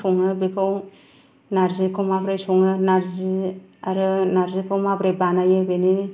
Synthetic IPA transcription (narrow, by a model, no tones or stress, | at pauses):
ɔŋɯbekʰaw | naɾzikʰɔmabɾajsɔŋɯnaɾziaɾɯnaɾzikʰɔwmabɾebanajɯbeni